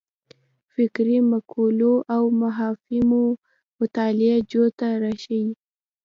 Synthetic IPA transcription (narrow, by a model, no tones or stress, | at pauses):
fɪkɾimakʰoloʔawmaɦɑfimo | mʊt̪ɑlɪad͡ʒot̪aɾaʃawi